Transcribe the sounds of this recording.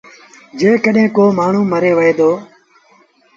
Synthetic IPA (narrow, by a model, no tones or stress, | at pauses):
d͡ʒeːkəɗẽːkoːmaːɳ̤ũːməɾeːʋəɦeːd̪oː